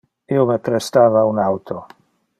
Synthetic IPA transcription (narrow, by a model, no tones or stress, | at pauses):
iomepɾest̪aːvaunawt̪ʰo